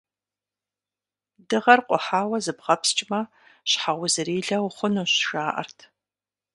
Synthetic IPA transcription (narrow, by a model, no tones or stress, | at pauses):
dɨʁɐrqʷʼɔħaːwɐzɨbʁɐpst͡ʃʼmɐ | ɕħaʁʷʊzɨɾiːɮɐwχʷʊnuːɕʃaːʔɐ̰rtʰ